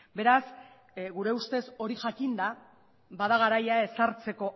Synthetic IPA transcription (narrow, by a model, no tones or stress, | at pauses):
be̞ɾas | ɣuɾe̞ust̪e̞so̞ɾiʝakind̪a | baðaɣ̞aɾajae̞saɾt͡se̞ko̞